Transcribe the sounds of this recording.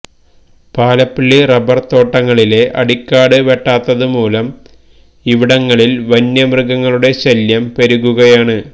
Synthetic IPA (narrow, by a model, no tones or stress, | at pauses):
paːlɐpːiɭːirɐbɐrt̪o̞ːʈːɐŋːɐɭile̞ʔɐɽikːaːɽɨʋeʈːaːt̪ːɐðɨmuːlɐm | iʋiɽɐŋːɐɭilʋɐnjɐmrɨɡɐŋːɐɭuɽe̞ɕɐljɐmpeɾuɣuɣɐjaːɳɨ